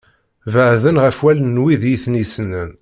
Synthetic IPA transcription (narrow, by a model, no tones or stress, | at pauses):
vəʕðənʁæfwælənːwiðjiθnisənən